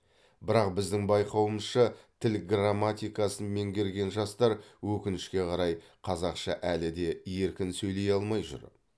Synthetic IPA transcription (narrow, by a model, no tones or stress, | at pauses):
bɪɾɑq̚bɪzd̪ɪŋbɑjqɑwəməzʃət̪ʰɪlɡramːat̪ʲijkɑsənme̞ŋɡʲe̞ɾɡʲe̞nʒɑst̪ɑɾwɵkʲɪnɪʃkʲe̞qʰɑɾɑj | qʰɑzɑqʃɑ̰ʔælɪd̪e̞je̞ɾkʲɪnsɵjle̞jɑlˠmɑjʒʊ̰ɾ